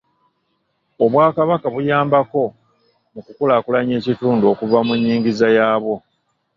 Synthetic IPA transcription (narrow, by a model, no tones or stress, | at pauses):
oβwaːkaβakaβujaːmbako̞ | mukukulaːkulaɲe̞ːcituːnduokuvamuɲːiːŋɟizajaːβo̞